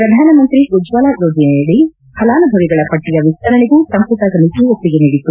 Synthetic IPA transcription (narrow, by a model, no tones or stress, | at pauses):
pɾɐd̪ʱaːnɐmɐnt̪ɾiɡud͡ʒʋaːlad͡ʒoːd͡ʒineɐɽi | hɐlaːnɐbʱɐʋiɡɐɭɐpɐʈːijɐʋist̪ɐɾɐɭiɡusɐmput̪ɐsɐmit̪iopːiɡeniːɽit̪ːu